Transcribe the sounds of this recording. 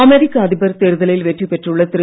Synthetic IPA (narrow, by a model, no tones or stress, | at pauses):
ɐmeɾikʲːɐɐd̪ibɐɾt̪ːeɾuðɐlɐjilʋetːipeʈruɭːɐt̪rɨ